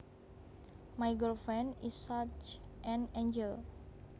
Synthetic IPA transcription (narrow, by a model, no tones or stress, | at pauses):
majɡəlfɹɛ̃nisat͡ʃʔɛ̃nẽnd͡ʒɛl